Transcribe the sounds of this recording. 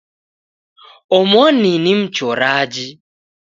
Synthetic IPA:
ɔmɔninim̩t͡ʃɔɾad͡ʒi

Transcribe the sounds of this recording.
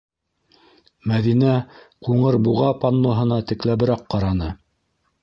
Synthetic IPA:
mæðinæquɴɤɾbuʁɑpɑnlˠoɦɤ̆nɑt̪ɘ̆klæβɘ̆ɾɑqːɑɾɑnɤ

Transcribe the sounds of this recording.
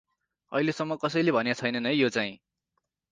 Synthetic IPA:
ʌ̰ilesʌmːʌkʌsʌjlebʱʌnjat͡sʰʌjnʌnʌjjot͡saĩ

